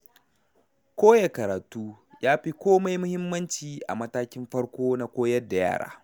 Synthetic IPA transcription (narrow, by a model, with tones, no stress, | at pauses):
kʷoː˦ja˨kɐ˨ɾa˨tuː˦ | jaː˦ɸi˦kʷoː˦ma˦jmʊ˦hɪ˦mːɐ˦nt͡ʃiː˨ʔa̰˨mɐ˦taː˦kʲɪ˦mɸɐ˦ɽkʷoː˦na˦kʷoː˦jɐ˦da˨ja̰ː˦˨ɽa̰ː˦